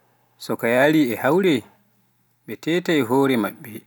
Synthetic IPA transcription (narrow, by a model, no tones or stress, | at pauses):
sɔkajaːliɛhawɾɛ | ɓɛtɛːtaɛɦoːɾɛma̰ɓːɛ